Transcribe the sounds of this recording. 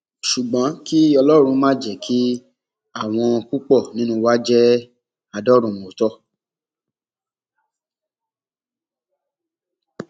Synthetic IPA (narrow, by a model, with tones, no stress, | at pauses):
ʃu˨ɡ͡bɔ̃˨˦ki˦ɔ˧lɔ˦ɾ̃ũ˧mã˦˨d͡ʒɛ˨kʰi˦ | a˦˨w̃ɔ̃˧ku˦k͡pɔ˦˨nĩ˦nũ˦wa˦d͡ʒɛ˦ | a˧dɔ˦ɾũ˧˨ũ˨o˨tɔ˦